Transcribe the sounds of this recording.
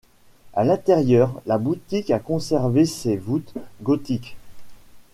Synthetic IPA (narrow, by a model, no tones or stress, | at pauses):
a̰lɛ̃t̪ɛʁjœʁlabut̪ikakɔ̃sɛʁvesevut̪ɡɔt̪ik